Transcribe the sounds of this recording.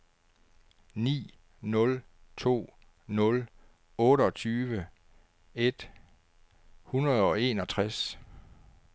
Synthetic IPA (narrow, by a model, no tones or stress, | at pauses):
nḭː | nɔ̽l | t͡sʰo̝̰ː | nɔ̽l | ɔ̽ːɾəɒ̽t͡sʰyːʋə | e̝d̥ | hunɐð̩ˠɒ̽e̝ːnɒ̽t͡sʰʁas